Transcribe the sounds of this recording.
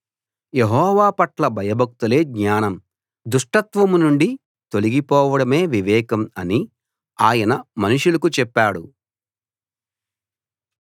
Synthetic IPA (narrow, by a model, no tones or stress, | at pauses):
jeɦɔːʋaːpɐʈlɐbʱɐjɐbʱɐk̚t̪ule̞ːɡɲaːnɐm | d̪uʂʈɐt̪ʋɐmunuɳɖi | t̪o̞liɡipɔːʋɐɽɐme̞ːʋiʋɛːkɐmɐni | aːjɐnɐmɐnuʂulɐkut͡ʃɛpːaːɽu